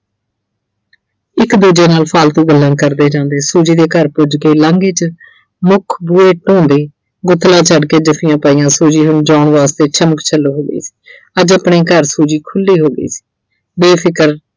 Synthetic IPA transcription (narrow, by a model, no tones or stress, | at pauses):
ɪkd̪uːd͡ʒeːnaːlpʰaːlt̪ũːɡəlːãːkəɾd̪eːd͡ʒãːnd̪eːsuːd͡ʒiːd̪eːkəɾpʊd͡ʒɡəiːlãːŋɡeːt͡ʃ | mʊkʰbuːeːʈõːnd̪eː | ɡʊt̪ʰːlãːt͡ʃʰəɖkeːd͡ʒəpʰijãːpaːiːjãːsuːd͡ʒiːɦʊnd͡ʒaːɳʋaːst̪eːt͡ʃʰəməkt͡ʃʰəlːoːɦoːɡə̰ḭːsi̥ː | əd͡ʒəpɳeːkəɾsuːd͡ʒiːkʰʊlːiːɦoːɡə̰ḭːsi̥ː | beːpʰɪkəɾ